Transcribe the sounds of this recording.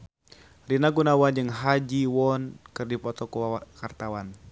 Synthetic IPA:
rinaɡunawand͡ʒɨŋɦad͡ʒiwɔnkɨrdipɔt̪ɔkuakart̪awan

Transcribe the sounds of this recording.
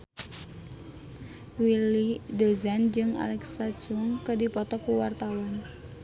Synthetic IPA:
wilidozand͡ʒɨŋa̰lɛksad͡ʒuŋkədipɔt̪ɔkuwart̪awan

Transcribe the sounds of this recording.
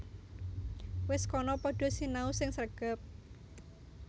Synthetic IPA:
wɪskɔnɔpɔɖ̥ɔ̤sinausɪŋsərɡ̥a̤p̚

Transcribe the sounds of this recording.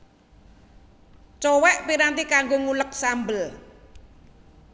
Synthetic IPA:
t͡ʃɔwɛʔpiɾant̪ikaŋɡoŋulək̚sambəl

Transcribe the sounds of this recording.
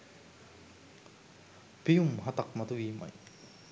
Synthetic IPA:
pijumɦat̪ak̚mɐt̪uiːma̰j

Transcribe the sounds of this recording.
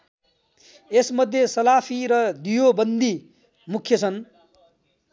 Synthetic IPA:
esmʌd̪ʱjesʌlapʰiɾʌd̪ijobʌnd̪i | mukʰjʌt͡sʰʌn

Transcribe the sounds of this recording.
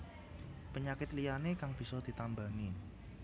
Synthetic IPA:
pəɲakɪt̪lijanekaŋb̥i̤sɔd̪̥i̤t̪ambaŋɪ

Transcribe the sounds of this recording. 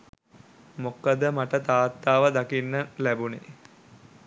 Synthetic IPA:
mokəd̪əmaʈət̪aːt̪ːaːʋəd̪akinːəlæbunḛ

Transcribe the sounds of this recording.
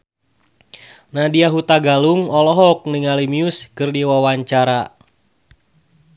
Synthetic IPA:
nadiaɦut̪aɡaluŋɔlɔɦɔk̚niŋalimiʊskɨrdiwawaɲt͡ʃaɾa

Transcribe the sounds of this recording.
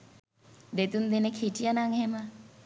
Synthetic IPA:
dɛt̪und̪ɛnɛkʰetʼianaŋɛma

